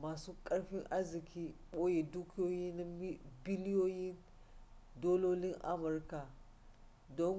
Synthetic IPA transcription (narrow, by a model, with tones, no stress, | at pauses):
maː˨suː˦kʼɐ˦ɽɸɪ˦ŋʔa˦zɪ˨kʲiː˦ɓoː˦je˨duː˦kʲɪ˦joː˦jiː˦na˦bɪ˦ljoː˦jɪ˦n | doː˦loː˦lɪ˦ŋʔa˦mʊ˨rka˨ | dɔ˦ŋ